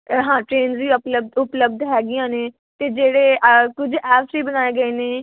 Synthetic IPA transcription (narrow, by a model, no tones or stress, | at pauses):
ɦãːʈɾeːnziːʊpləb̚d̪ʊpləb̚d̪ɦɛːɡɪjãːneː | t̪eːd͡ʒeːɽeːʔkʊd͡ʒɛːpsiːbənaːeːɡəeːneː